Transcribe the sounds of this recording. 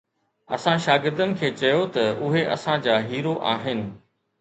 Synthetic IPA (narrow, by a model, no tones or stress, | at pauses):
ɐ̰sãʃaːɡɪɾd̪ənɪ̆kʰeːt͡ɕɐjot̪ɐʊɦeʔɐ̰sãd͡ʑaːɦiːɾoʔa̰ːɦɪnɪ̆